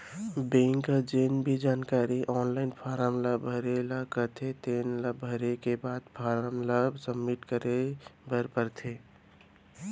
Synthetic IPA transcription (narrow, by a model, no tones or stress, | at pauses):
bẽŋkəd͡ʒeːnbʱid͡ʒaːnkaːɾiʔɔːnlaɪnpʰaːɾəmləbʱəɾelakəɾt̪ʰet̪eːnləbʱəɾekebaːd̪pʰaɾəmləbsəmːiʈkəɾebəɾpəɾt̪ʰe